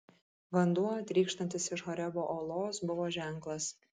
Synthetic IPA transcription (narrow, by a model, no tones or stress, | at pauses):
ʋɐnd̪uɔɐt̪ʲɾʲiːkʃt̪ɐnʲt̪ʲɪsɪʃɦɔɾʲɛboːʔoːlˠoːsbʊʋoːʒʲæˑŋklˠɐs